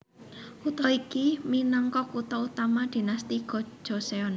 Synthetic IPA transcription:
ut̪ɔikiminɔŋkɔkut̪ɔut̪amad̪̥i̤nast̪iɡ̥ɔ̤̥ʒ̥ɔ̤seɔn

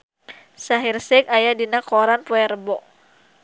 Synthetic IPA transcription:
saɦirsɛk̚ajadinakɔɾanpuɛɾəbɔʔ

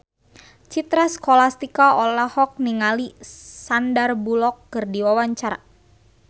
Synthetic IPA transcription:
t͡ʃit̪ɾaskɔlast̪ikaɔlahɔk̚niŋalisandarbulɔkːɨrdiwawaɲt͡ʃaɾa̰

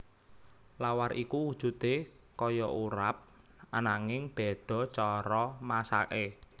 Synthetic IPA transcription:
lawarikuwud̥ʒ̥ṳt̪e | kɔjɔʔuɾap̚ | anaŋɪŋb̥ɛ̤ɖ̪̥ɔ̤t͡ʃɔɾɔmasa̰ʔe

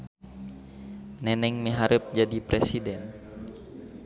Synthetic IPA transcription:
nɛnɛŋmiɦaɾəp̚d͡ʒadipɾɛsidɛn

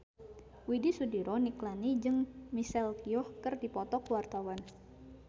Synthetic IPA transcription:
widisudiɾɔniklanid͡ʒɨŋmisɛlkiɔhkɨrdipɔt̪ɔkwart̪awan

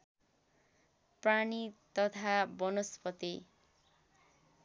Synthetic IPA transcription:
pranit̪ʌt̪ʰabʌnospʌt̪i

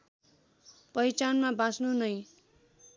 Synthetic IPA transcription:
pʌjt͡sanmabãsnunʌj

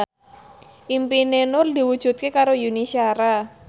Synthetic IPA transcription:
ʔimpinenʊrd̪i̤wud̥ʒ̥ṳt̪̚kekaɾojunisiaɾa

